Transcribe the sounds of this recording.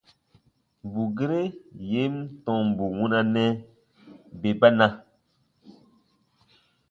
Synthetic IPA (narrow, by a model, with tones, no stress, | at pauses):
m˨bu˨ɡe˦ɾe˦je˦mtɔ̃˨m˨bu˨wũ˦na˦nɛ˦ | be˨ba˦nã˦